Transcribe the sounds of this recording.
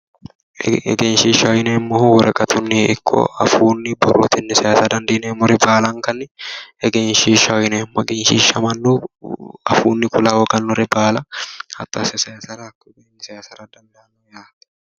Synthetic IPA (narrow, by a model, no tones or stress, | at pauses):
ɛ̰ɡeːnʃiːʃɐɔjɪneːmːɔhwɔɾɐkʼɐt̪ʰʊnːɪɪkʰːɔ̰ɐ̰fuːnːɪbɔrːɔ̰t̪ɪnːɪsɐjaːsɐd̪ɐnd̪eːneːmːɔɾɛbaːlɐŋkɐnɪɛɡeːnʃiːʃɐɔjɪnemːɔɛɡeːnʃiːʃɐmɐnːo | ɐfṵːnːɪkʊlawɔɡɐnːɔɾɛbaːlɐhɐt̪ːɔɐsɛsɐjaːsɐɾɐkːɔɡenːɪsɐjaːsɐɾɐd̪ɐnd̪ɐɐnːɔjaːt̪